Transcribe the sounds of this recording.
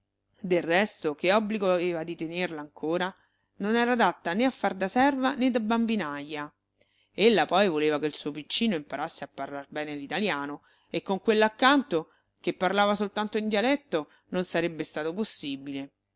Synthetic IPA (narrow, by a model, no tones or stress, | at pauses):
d̪erːɛst̪okeɔbːliɡoaveːvad̪it̪enerlaːŋkʰoːɾa | nonɛːɾad̪at̪ːaneafːard̪asɛrvaned̪abːambinajːa | elːapɔjvoleːvakeilsuːopit͡ʃːiːnoimpaɾʔasːeapːarlarbɛːnelit̪aljaːno | ekːoŋkwelːakːant̪o | kepːarlaːvasolt̪ant̪oind̪jalɛt̪ːo | nonsaɾebːest̪aːt̪oposːiːbile